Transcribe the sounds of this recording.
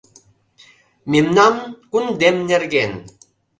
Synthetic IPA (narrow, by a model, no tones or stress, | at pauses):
mimnamkund̪emɲeɾɡen